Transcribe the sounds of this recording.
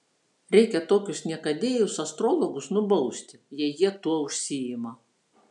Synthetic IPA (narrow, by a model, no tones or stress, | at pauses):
ɾʲɛɪkʲɛt̪oːkʲʊsnʲɛkɐd̪ʲeːjʊsɐst̪ɾolˠɔɡʊsnʊbɐʊsʲt̪ʲɪjɛjiɛt̪uɔʊʃʲsʲɪɪmɐ